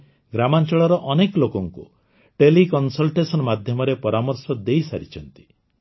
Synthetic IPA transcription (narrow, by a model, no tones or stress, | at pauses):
ɡɾamant͡ʃɔɭɔɾɔʔɔnekɔlokɔŋku | ʈelikɔnsɔlʈesɔnmad̪ʱjɔmɔɾepɔɾamɔɾsɔd̪ejsaɾit͡ʃʰɔnt̪i̥